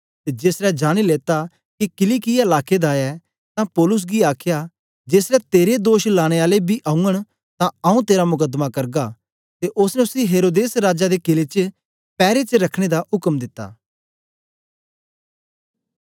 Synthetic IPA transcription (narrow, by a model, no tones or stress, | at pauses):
t̪ed͡ʒesɾɛd͡ʒaːɽ̃ileːt̪a | kikɪliːkɪjaɪlaːked̪aɛ | t̪ãpɔːlʊs̬ɡiaːkʰja | d͡ʒeːsɾɛt̪eːɾed̪oːʃlaːɽ̃eaːlebʱiʔãːũəɽ̃ | t̪ãɐũt̪eːɾamʊkəd̪makɐɾɡa | t̪eʔʊsnɛʊsiɦeːɾoːd̪eːsɾaːd͡ʒad̪ekɪlet͡ʃə | pɛːɾet͡ʃəɾɐkʰɽ̃ed̪ahʊkəmd̪ɪt̪ːa̰ː